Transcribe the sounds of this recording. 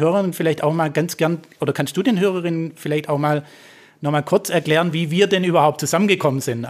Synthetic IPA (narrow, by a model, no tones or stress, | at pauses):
øːʁəʁɪnfɪlaɪçtaʊxmaːlɡant͡sɡ̥ɛɐnʔoːdɐkʰanst̚d̥uːdeːnɦøːʁ̞əʁɪnənfɪlaɪçtaʊxmaːl | nɔχmaːlkʰʊɐt͡sɛɐkl̥ɛːʁənviːviːɐdɛnʔyːbɐhaʊp̚t̚t͡suzamənɡəkʰɔmənzɪnt